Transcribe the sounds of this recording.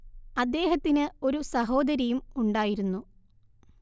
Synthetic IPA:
ɐd̪ːe̞ːɦɐt̪ːinɨo̞ɾusɐɦo̞ːd̪ɐɾjɐjumuɳɖaːjiɾunːu

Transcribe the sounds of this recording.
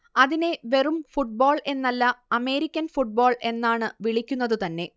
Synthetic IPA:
ɐðine̞ʋe̞rumfuʈ̚boːɭe̞nːɐlːɐɐme̞ːɾikʲːɐnfuʈ̚boːɭe̞nːaːɳɨʋiɭikʲːunːɐðɨt̪ɐnːe̞

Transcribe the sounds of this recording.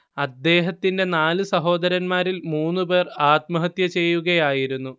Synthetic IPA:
ɐd̪ːe̞ːɦɐt̪ːinde̞naːlɨsɐɦo̞ːd̪ɐɾɐnmaːɾilmuːnːupe̞ːraːt̪̚mɐɦɐt̪jɐt͡ɕe̞jːuɣɐjaːjiɾunːu

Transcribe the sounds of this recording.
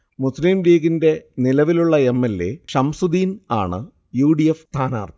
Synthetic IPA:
muslimliːɡinde̞nilɐʋiluɭːɐe̞mːelːe̞̰ʂɐmsud̪iːna̰ːɳɨ | juːɽijeft̪ʰaːna̰ːrt̪i̥

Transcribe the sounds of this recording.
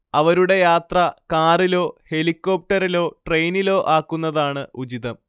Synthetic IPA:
ɐʋɐɾuɽe̞jaːt̪rɐkaːrilo̞ːhe̞likːo̞ːp̚ʈɐɾilo̞ːʈre̞jnilo̞ːʔaːkːunːɐðaːɳɨud͡ʑiðɐm

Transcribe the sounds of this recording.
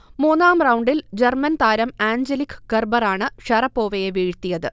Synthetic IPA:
muːnaːmrɐwɳɖild͡ʑɐrmɐnt̪aːɾɐmaːɲd͡ʑɐlikːɡɐrbɐraːɳɨʂɐrɐpːo̞ːʋɐjeʋiːɻt̪ːijɐðɨ

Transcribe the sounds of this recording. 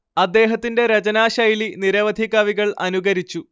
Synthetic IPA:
ɐd̪ːe̞ːɦɐt̪ːinde̞ɾɐt͡ɕɐnaːɕɐjliniɾɐʋɐd̪ʱiɣɐʋiɣɐɭɐnuɣɐɾit͡ɕːu

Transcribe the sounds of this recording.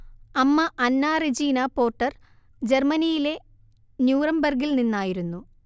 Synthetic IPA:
ɐmːɐʔɐnːaːrid͡ʑiːnapo̞ːrʈːɐr | d͡ʑe̞rmɐnijile̞ | njuːrɐmbɐrɡilninːaːjiɾunːu

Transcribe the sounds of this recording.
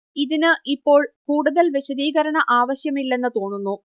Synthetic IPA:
iðinɨʔipːo̞ːɭkuːɽuðɐlʋje̞ɕɐðiːɣɐɾɐɳɐʔaːʋɐɕjɐmilːe̞nːɨt̪o̞ːnːunːu

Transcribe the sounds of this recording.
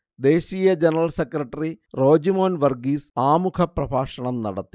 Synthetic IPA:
d̪e̞ːɕiːjɐd͡ʑenɐɾɐlsekrɐʈːɐriro̞ːd͡ʑimoːnʋɐrɡiːsaːmukʰɐprɐbʱaːʂɐɳɐmnɐ̰ɽɐt̪ːi̥

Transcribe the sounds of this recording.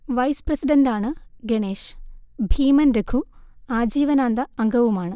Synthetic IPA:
ʋɐjsprɐsiɖɐndaːɳɨɡeɳeːʂbʱiːmɐnɾekʰuaːd͡ʑiːʋɐnaːnd̪ɐɐŋɡɐʋumaːɳɨ

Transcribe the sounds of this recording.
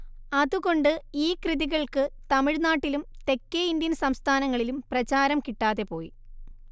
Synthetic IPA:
ɐðuɣo̞ɳɖɨiːkrɨðiɣɐɭkɨt̪ɐmiɻnaːʈːilumt̪e̞kːeind̪jɐnsɐmst̪ʰaːnɐŋːɐɭilumprɐt͡ɕaːɾɐmkiʈːaːðe̞po̞ːji

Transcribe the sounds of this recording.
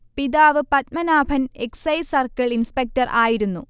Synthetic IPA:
piðaːʋɨpɐt̪̚mɐnaːbʱɐne̞ksɐjsɐrkɐɭinspek̚tɐrʔaːjiɾunːu

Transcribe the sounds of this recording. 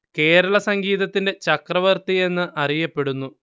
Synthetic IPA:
ke̞ːɾɐɭɐsɐŋɡiːðɐt̪ːinde̞t͡ɕɐkrɐʋɐrt̪ie̞nːɨʔɐrijɐpːe̞ɽunːu

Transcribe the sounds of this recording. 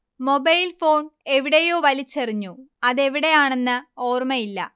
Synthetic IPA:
mo̞bɐjlfo̞ːɳe̞ʋiɽejo̞ːʋɐlit͡ɕːɐriɲːuɐðe̞ʋiɽe̞jaːɳe̞nːɨo̞ːrmɐjilːɐ̰

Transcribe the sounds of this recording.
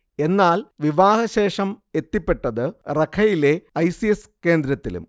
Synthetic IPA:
e̞nːaːlʋiʋaːhɐɕe̞ːʂɐme̞t̪ːipːe̞ʈːɐðɨrɐkʰɐjile̞ɐjsieske̞ːnd̪ɾɐt̪ːḭlṵm

